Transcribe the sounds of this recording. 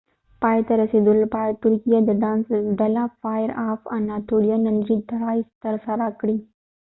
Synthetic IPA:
paːjt̪əɾəsid̪ulpajt̪uɾkijəd̪ɖãːnsɖɐlafajəɾaːfanːat̪ʰoɽijanɐnɾid̪ʱɐɾaːist̪əɾsaɾakɽĩ

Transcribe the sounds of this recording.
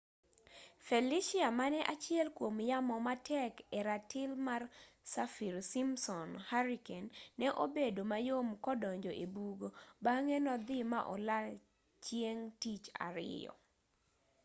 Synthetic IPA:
fɛliʃɪamanɛʔat͡ʃɪɛlkwomjamɔmatɛkɛɾatɪlmarsafiɾsimsɔnhaɾikɛnːɛʔobedomajomkɔdɔɲd͡ʒɔʔebuɡobaŋɛnɔd̪ɪma̰ʔɔla | t͡ʃjeŋtit͡ʃa̰ɾɪ̰jɔ̰

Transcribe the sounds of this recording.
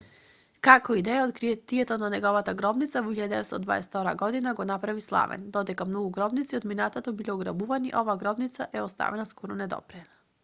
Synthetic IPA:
kakɔid̪ɛjaot̪kɾit̪iɛt̪onanɛɡɔvat̪aɡɾɔbnit̪savɔiʎad̪d̪ɛvɛt̪st̪ɔd̪va̰ɛ̰st̪ɔɾa̰ɡɔd̪inaɡɔnapɾavislˠa̰vɛ̰nd̪ɔd̪ɛkamnɔɡuɡɾɔbnit̪siɔd̪minat̪at̪obilʲɛɔɡɾa̰buvaniʔɔvaːɡɾɔbnit̪saʔɛɔst̪a̰vɛnaskɔɾɔnɛd̪ɔ̰pɾɛna

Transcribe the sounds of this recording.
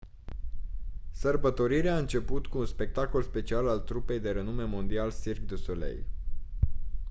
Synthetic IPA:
sərbət̪o̞ɾiɾeaɨnt͡ʃe̞put̪kuːnspe̞k̚t̪ako̞lspe̞t͡ʃialalt̪ɾupe̞jd̪e̞ɾənume̞mo̞nd̪ialsirɡd̪usolḛj

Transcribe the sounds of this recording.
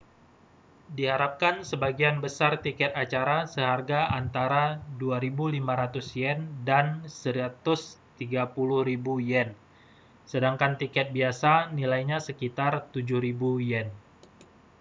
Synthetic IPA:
diɦaɾap̚kansəbaɡianbəsart̪ikɛt̪at͡ʃaɾasəɦarɡaʔant̪aɾaduaɾibulimaɾat̪ʊsjɛndansəɾiat̪ʊst̪iɡapulʊhɾibujɛn | sədaŋkant̪ikɛt̪̚biasanilajɲasəkit̪art̪ud͡ʒʊhɾibujɛn

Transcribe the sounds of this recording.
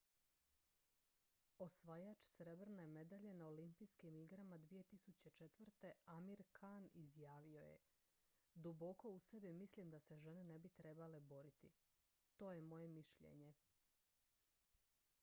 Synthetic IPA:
o̞sʋajat͡ʃsɾe̞bɾneme̞d̪aʎe̞naolimpijskimiɡɾamad̪ʋije̞t̪isut͡ɕet͡ʃet̪ʋr̩t̪e̞amiɾkʰanizjaːʋio̞jḛ | d̪ubo̞ko̞usebimislimd̪ase̞ʒenene̞bit̪ɾe̞bale̞bo̞ɾit̪i | t̪o̞ːje̞mo̞je̞miʃʎḛɲe̞

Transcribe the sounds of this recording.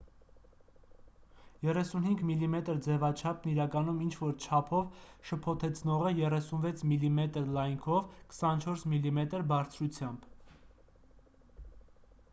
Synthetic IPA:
jɛrɛsunhiŋɡmilimɛt̪əɾd͡zɛvɑt͡ʃʰɑpʰniɾɑkɑnumint͡ʃʰvɔɾt͡ʃʰɑpʰɔvʃəpʰɔt̪ʰɛt͡sʰnɔʁəjɛrɛsunvɛt͡sʰmilimɛt̪əɾlɑjŋkʰɔvkʰə̥sɑnt͡ʃʰɔɾsmilimɛt̪əɾbɑɾt͡sʰɾut͡sʰjɑmb

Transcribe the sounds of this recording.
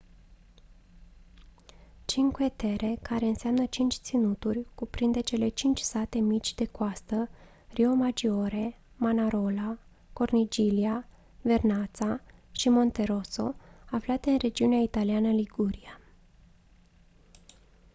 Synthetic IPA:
t͡ʃiŋkue̞t̪e̞ɾe̞kaɾe̞ɨnseamnət͡ʃint͡ʃʲt̪sinut̪urʲkupɾind̪e̞t͡ʃe̞le̞t͡ʃint͡ʃʲsat̪e̞mit͡ʃʲd̪e̞koast̪ə | rio̞mad͡ʒio̞ɾe̞ | manaɾo̞la | ko̞rnid͡ʒilia | ve̞rnat̪saʃimo̞nt̪e̞ɾo̞so̞aflat̪e̞ɨnre̞d͡ʒiuneait̪alianəliɡuɾia

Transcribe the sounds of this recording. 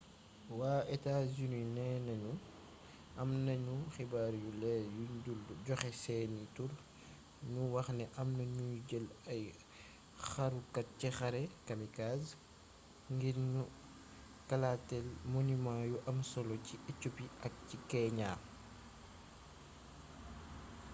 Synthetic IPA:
waːɛtazuninɛnɐɲu | ʔɐmnɐɲuxibaːɾjulɛjuɟulɟɔxɛsɛːnitul | ɲuwɐxnɛʔɐmnɐɲuɟəlɐj | xɐɾukɐt̚cixɐɾɛkɐmikas | ŋɡiɾɲu | kɐlatɛlmɔnimajuʔɐmsɔlɔciɛcːupiɐk̚cikɛɲaː

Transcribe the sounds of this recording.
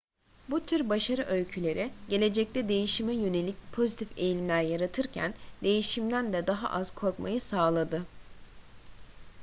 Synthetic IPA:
but̪ʰyɾbaʃaɾɯʔølʲcʰylʲe̞ɾʔiɟe̞lʲe̞d͡ʒɛc̚t̪ʰɛd̪e̞jiʃimɛjø̞ne̞lʲic̚pʰo̞zit̪ʰifejlʲimlʲæɾjaɾat̪ʰɯɾcʰæ̰nd̪e̞jiʃimd̪ænd̪ɛd̪aɦa̰ʔaz̥kʰo̞ɾkma̰jɯsaːlˠad̪ɯ

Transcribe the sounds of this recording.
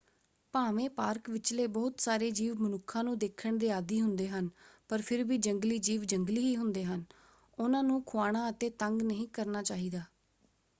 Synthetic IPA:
paːʋẽːpaːɾkʋɪt͡ʃleːbɔːt̪saːɾeːd͡ʒiːʋmənʊkʰːãːnũːd̪eːkʰːəɳd̪eːaːd̪iːɦʊnd̪eːɦənpəɾpʰɪɾʋiːd͡ʒəŋɡliːd͡ʒiːʋd͡ʒəŋɡliːɦiːɦʊnd̪eːɦən | ʊnãːnũːkʰʊaːɽ̃aːət̪ẽːt̪əŋɡnəɦĩːkəɾnaːt͡ʃaːɦiːd̪aː

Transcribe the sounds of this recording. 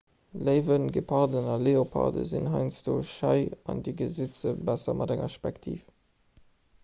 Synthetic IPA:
ləɪvənɡəpʰɑʁdənɑleːopʰɑ̰də̰zinɦɑɪnt͡sd̥oːʃɑɪɑndiɡəzit͡səbæsɐmʔɑdæŋɐ̰ʃpæktʰḭːf

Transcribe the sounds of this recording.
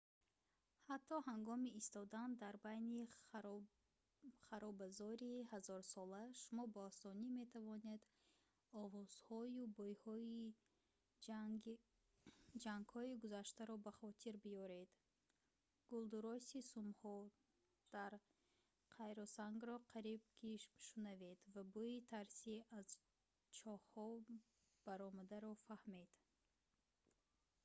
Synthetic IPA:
hat̪ʰːɔɦaŋɡɔmiːst̪ɔd̪and̪aɾbajni | χaɾɔbazɔɾihazɔɾsɔlaʃumɔbɔːsɔnime̞t̪ʰavɔne̞d̪ | ɔvɔz̥hɔjubɔjhɔi | d͡ʒaŋɡhɔiɡuzaʃt̪aɾɔbaχɔt̪ʰiɾbiɔɾe̞d̪̥ | ɡ̥uld̪uɾɔsisumhɔ | d̪̥aɾ | qʰajɾɔsaŋɡɾɔqʰaɾib̚kʰiʃmʃunaved̪vabuit̪ʰaɾsiaz | t͡ʃʰɔhhɔ | b̥aɾɔmad̪aɾɔfahmed̪̥

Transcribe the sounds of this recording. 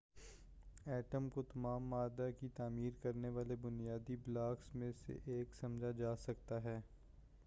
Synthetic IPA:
ɛːʈəmkot̪ɐmaːmːaːd̪akit̪aːmiːɾkɐɾneʋaːlebʊnijaːd̪iblaːksmẽsḛʔeːksɐmd͡ʒʱad͡ʒaːsɐk̚t̪aɦɛː

